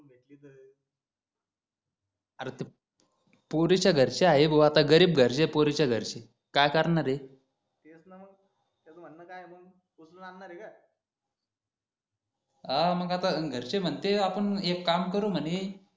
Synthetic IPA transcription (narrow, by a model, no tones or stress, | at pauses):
bʱeʈliːd̪ə | aɾt̪e | poɾit͡ɕaɡʱəɾt͡ɕeaɦeboat̪aɡəɾiːbɡʱəɾɕepoɾit͡ɕaɡʱəɾt͡ɕe | kajkəɾnaɾe | t̪esnaməɡ | t̪at͡som̤ənːakajeməɡ | usunanːaɾeka | əməɡat̪aɡʱəɾt͡ɕem̤əɳt̪eapəɳekːamkəɾum̤əni